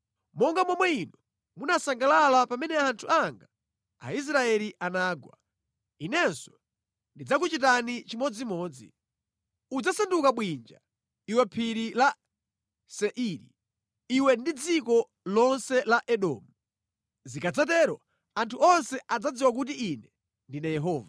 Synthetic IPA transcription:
mɔŋɡamɔmwɛinɔ | munasaŋɡalalapamɛnɛantʰuaŋɡa | a̰is̬ɾaɛliʔanaːɡwa̰ | inɛnsɔ̥ | ndid͡zakut͡ʃitanit͡ʃimɔd͡zimɔːd͡zḭ | ud͡zasandukaɓwind͡ʒa | iwɛpʰiɾila | sɛʔiɾi | iwɛndid͡zikɔ | lɔnsɛlaʔɛɗɔːmu | zikad͡zat̬ɛɾɔ | antʰuɔnsɛʔad͡zad͡ziwak̬ut̬iinɛ | ndinajɛɦɔːva

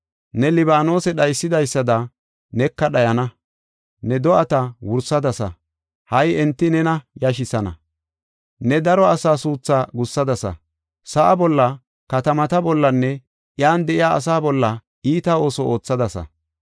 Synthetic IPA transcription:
nɛlɪbaːno̞ːsɛɗɐjsːɪd̪ɐjsːɐd̪ɐ | nɛkːɐɗɐjɐnɐ | nɛd̪ɔʔɐt̪ɐwʊɾsɐd̪ɐsɐ̰ | hɐjɛnt̪ːɪnɛnɐjɐʃɪsɐnɐ̰ | nɛd̪ɐɾɔɐsaːsuːt͡sːaːɡʊsːɐd̪ɐsɐ̰ | sɐʔɐbɔlːɐ | kɐt̪ɐmɐt̪ɐbɔlːɐnːɛ | ʔɪjaːnd̪ɛʔɪja̰ːs̬aːbɔlːɐ | ʔiːt̪ɐo̞ːsɔʔo̞ːt͡sːɐd̪ɐsɐ̰

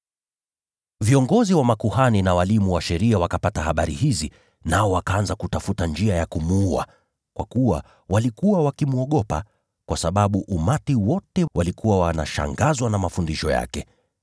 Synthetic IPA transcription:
viɔŋɡɔziwamakuhaninawalimuwaʃɛɾiawakapatahaɓaɾḭhizi | naɔwakaanzakutafutand͡ʒiajakumuua̰ | kwa̰kuwa̰ | walikuwawakimuɔɠɔpa̰ | kwasaɓaɓuʔumatiwɔtɛwʔalikuwawana̰ʃa̰ŋɡazwanamafundiʃɔja̰kɛ

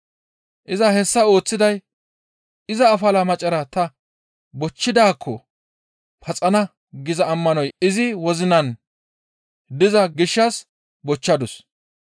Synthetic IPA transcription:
ʔɪzɐɦɛsːɐo̞ːt͡sːɪd̪ɐj | ɪzɐːfɐlɐmɐt͡ʃʼːɐɾɐt̪ɐ | bɔt͡ʃːɪd̪aːkʰːɔ | pʰɐt͡sʼɐnɐ | ɡɪzɐːmːɐnɔjɪzɪwɔzɪnɐn | d̪ɪzɐɡɪʃːɐs | bɔt͡ʃːɐd̪ʊs

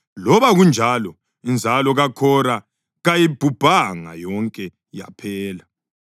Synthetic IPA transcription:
lɔβaɣund͡ʒʱalɔ | ind͡zʱalɔɣakʰɔɾa | ɣajib̥ʱub̥ʱaŋa̰jɔŋkʼɛ | ja̰pʰɛːla

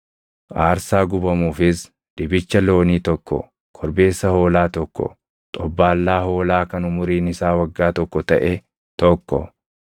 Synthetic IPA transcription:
ʔaːɾsaːɡʊbɐmuːfɪs | d̪̥ɪbɪt͡ʃːɐlo̞ːniːt̪ɔkːɔ̰ | kʰɔɾbe̞ːsːɐho̞ːlaːt̪ɔkːɔ̰ | t̪ʼɔbːaːlːaːho̞ːlaːkɐnʊmʊɾiːnɪsaːwɐɡːaːt̪ɔkːɔt̪ɐʔe | t̪ɔkːɔ̰

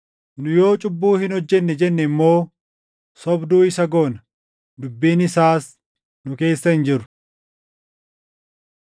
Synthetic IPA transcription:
nʊjo̞ːt͡ʃʼʊbːuːhɪnɔd͡ʒːɛnːɛd͡ʒɛnːɛɪmːo̞ː | sɔbd̪uːɪsɐɡo̞ːnɐ | d̪ʊbːiːnɪsaːs | nʊke̞ːsːɐhɪnd͡ʒɪɾʊ̥

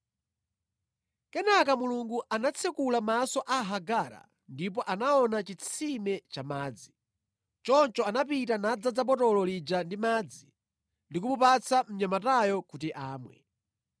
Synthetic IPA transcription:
kɛnak̬amuluŋɡuʔanat͡sʰɛkulamasɔʔaɦaɡaːɾa̰ | ndip̬ɔʔanaɔnat͡ʃit͡sʰimɛt͡ʃamaːd͡zi | t͡ʃɔnt͡ʃɔanap̬itanad͡zad͡zap̬ɔtɔlɔlid͡ʒandimaːd͡zi | ndik̬umupat͡sʰam̩ɲamatajɔkutiʔaːmwɛ̰

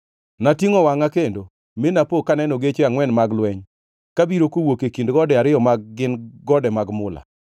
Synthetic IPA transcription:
natiŋɔwaŋakendo | menapokanɛnɔɡet͡ʃeaŋwɛnmaɡlwɛɲ | kabiɾokowokekindɡɔdɛaɾɪjɔmaɡ̚ːɪnɡɔdɛmaɡmʊla̰

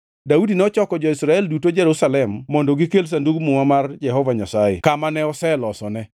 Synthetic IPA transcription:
daudinɛɔt͡ʃɔkɔd͡ʒɔisɾaɛldutod͡ʒɛɾusalɛmːɔndoɡikels̬anduɡmuŋamard͡ʒɛɦɔvaɲasajɛ̰kamanɛɔsɛlɔsɔnɛ

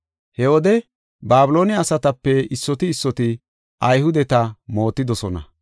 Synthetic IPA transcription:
hɛwɔd̪ɛ | baːbʊlo̞ːnɪɐsɐt̪ɐpːɛɪsːɔt̪ɪːsːɔt̪ɪ | ʔɐjhʊd̪ɛt̪ɐmo̞ːt̪ːɪd̪ɔsɔnɐ̰

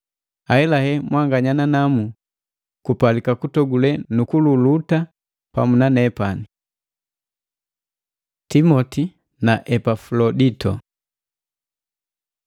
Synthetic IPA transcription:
aɛlahɛmwaŋɡaɲananamu | kupalikakutɔɡulɛnukululuta | pa̰munanɛpani | timɔti | naʔɛpafulɔditɔ

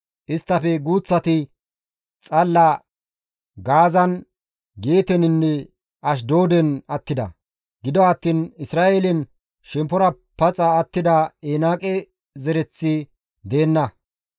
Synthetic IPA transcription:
ʔɪst̪ːɐfɛɡuːt͡sːɐt̪ɪ | t͡sʼɐlːɐ | ɡaːzɐn | ɡeːt̪ɛnɪnːɛ | ʔɐʃ̬d̪oːd̪ɛnɐt̪ːɪd̪ɐ̰ | ɡɪd̪ɔɐt̪ːiːnɪsɾaːʔelɛn | ʃɛmpːɔɾɐ | pɐt͡sʼɐːt̪ːɪd̪ɐeːnaːkʼɛ | zɛɾɛt͡sːɪ | d̪e̞ːnːɐ

